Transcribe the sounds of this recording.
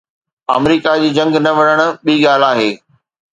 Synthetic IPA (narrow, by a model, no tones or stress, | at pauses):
a̰mɾiːkad͡ʑiːd͡ʑɐ̃ŋɡnɐʋɐɽ̃əɽ̃ʊ̆ɓiːɠaːlaːɦeː